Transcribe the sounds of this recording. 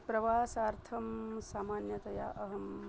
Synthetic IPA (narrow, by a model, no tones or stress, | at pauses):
pɾɐʋaːsaːɾt̪ʰɐmsaːmaːnjɐt̪ɐja̰ːʔɐɦɐm